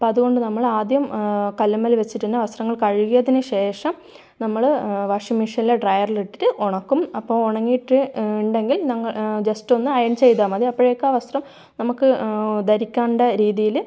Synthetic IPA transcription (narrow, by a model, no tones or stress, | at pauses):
pɐðuɣo̞ɳɖɨnɐmːɐɭaːd̪jɐmkɐlːɐmːɐlʋɐt͡ɕːiʈːinːeʋɐst̪rɐŋːɐɭkɐɻuɣɐjɐðinɨɕe̞ːʂɐm | nɐmːɐɭʋɐʂimiʂɐnileɖrɐjɐrliʈːiɾɨʔoɳɐkːumɐpːoːoɳɐŋːijːʈːɨɳɖe̞ŋɡilnɐŋːɐɭd͡ʑesto̞nːɨɐjɐnt͡ɕe̞jt̪̬aːmɐðiɐpːoɻejokːaːʋɐst̪rɐm | nɐmukːɨd̪ɐɾikʲːaːɳɖɐɾiːðijil